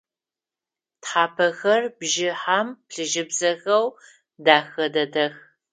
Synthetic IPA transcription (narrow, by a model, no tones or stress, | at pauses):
tħaːpʰɐxɐrbʒɪħampɬɨʒɪbzɐxɐw | daːxɐdɐdɐx